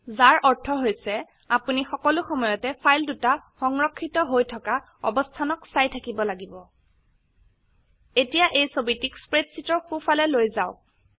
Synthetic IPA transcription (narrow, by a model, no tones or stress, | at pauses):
zaɹʔɔɹtʰɔɦojsɛ | apunixɔkɔlʊxɔmɔjɔtɛpʰajldutaxɔŋɹɔkʰːitɔɦojtʰɔka | ɔ̰bɔstʰanɔksajtʰakibɔlaɡibɔ | etijaʔejsobitikspɹetsitɔxupʰalɛlojzaʊ